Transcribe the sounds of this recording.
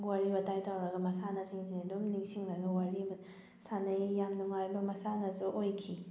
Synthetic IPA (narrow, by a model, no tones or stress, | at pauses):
waɾibɐtajtʰawɾɐɡɐmɐsanɐsiŋzinedomniŋsiŋnɐɡɐwaɾim | sanɐjːamnuŋajbɐmɐsanɐzuʔojkʰi